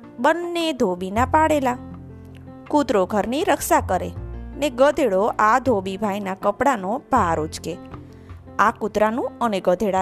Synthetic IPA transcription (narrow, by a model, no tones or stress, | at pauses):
bənːed̪ʱobinapaɽela | kut̪ɾoɡʱəɾniɾəkʃakəɾḛneɡəd̪ʱeɽoʔad̪ʱobibʱajnakəpɽanobʱaɾod͡ʒke | akut̪ɾanũəneɡəd̪ʱeɽa